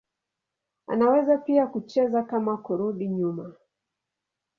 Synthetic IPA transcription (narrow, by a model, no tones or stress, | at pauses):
a̰nawɛzapiakut͡ʃɛzakamakuɾuɗiɲuma